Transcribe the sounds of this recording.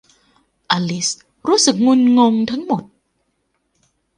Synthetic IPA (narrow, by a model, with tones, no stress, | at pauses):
ʔaː˧li˦˥s | ɾuː˦˥sɯ˨˩k̚ŋu˧nŋo˧ŋt̪ʰa˦˥ŋmo˨˩t̪̚